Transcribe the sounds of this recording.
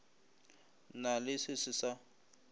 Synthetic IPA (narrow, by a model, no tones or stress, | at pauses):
nalɪsɪsɪsa